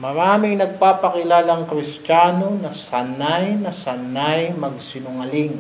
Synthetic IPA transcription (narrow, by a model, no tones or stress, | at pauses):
mɐɾaːmɪŋnɐɡ̚paːpɐkɪlaːlɐŋkɾɪst͡ʃaːno̞nɐsɐnajnɐsɐnajmɐɡ̚sɪnʊŋɐlɪŋ